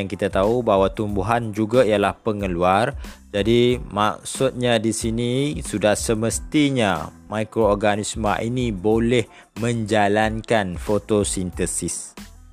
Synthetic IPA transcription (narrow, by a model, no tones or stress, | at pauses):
aŋkit̪at̪aubaɦwat̪umbuɦand͡ʒuɡaijalahpəŋəluard͡ʒadimak̚sut̪̚ɲadisinisudahsəməst̪iɲamakɾoɔrɡanismã̰ʔinĩbolɛh | mə̃ɲd͡ʒalankanfot̪osint̪əsis